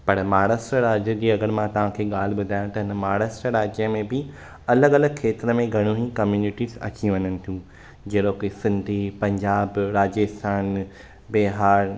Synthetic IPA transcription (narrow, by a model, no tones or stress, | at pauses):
pɐɾmaːɽəsɾəɾaːd͡ʑəd͡ʑiːɐɡəɾmãt̪ɐʋ̤ãkʰeːɠaːl̤ɪ̆ɓʊd̪ʱaːj̃t̪ɐɦɪnəmaːɽəsɾəɾaːd͡ʑijə̃mẽbɪ | ɐləɡɐləɡkʰeːt̪ɪɾəmẽɡʱɐɽ̃ũɦĩkɐmjuːnɪʈisɐ̰t͡ɕiũʋɐɲənɪ̆t̪ʰjũː | d͡ʑɐːɗokisɪ̃nd̪ʱipɐ̃ɲd͡ʑaːbɾaːd͡ʑəst̪ʰaːn | beːɦaːɾ